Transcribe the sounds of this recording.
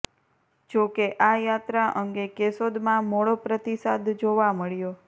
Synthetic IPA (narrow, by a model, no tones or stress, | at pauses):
d͡ʒokeʔajat̪ɾaʔəŋɡekesod̪mãmoɭopɾət̪isad̪d͡ʒoʋaməɭjo